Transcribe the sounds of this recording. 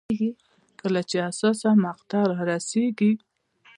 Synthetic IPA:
ɡi | kəlat͡ʃeasɑsamaqt̪ɑɾɑɾaseɡi

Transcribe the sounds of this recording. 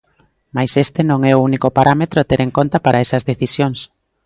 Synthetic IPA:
majsest̪enõŋɛounikopaɾʔamet̪ɾoat̪eɾeŋkont̪ɐpaɾɐesɐzðeθisjoŋs

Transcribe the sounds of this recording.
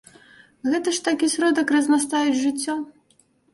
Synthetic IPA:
ɣɛt̪ɐʂt̪akʲisʲɾɔd̪ɐkrɐznas̬t̪ajʲid͡zʲʐɨt͡sʲːɔ

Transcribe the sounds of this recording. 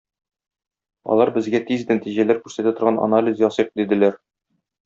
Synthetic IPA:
ɒ̰lˠɑɾbɘ̆zɡæt̪iznæt̪iʑælæɾkʉɾsæt̪æt̪ŏɾʁɑnʔa̰nalʲizjɒsɤq̚d̪id̪ɘ̆læɾ

